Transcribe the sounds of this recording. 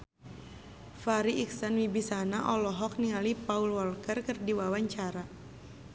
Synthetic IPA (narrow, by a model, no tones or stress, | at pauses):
faɾiʔiksanwibisanaʔɔlɔɦɔk̚niŋalipaulwɔlkərkɨrdiwawaɲt͡ʃaɾa